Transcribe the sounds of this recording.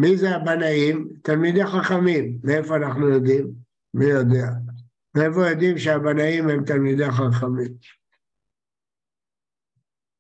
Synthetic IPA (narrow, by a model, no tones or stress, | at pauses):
mizeabanaimt̪almid̪eχaχamimːeefo̞anaχnujo̞d̪imː | ijo̞d̪ea | meefo̞jo̞d̪imʃeabanaimhe̞mt̪almid̪eχaχamim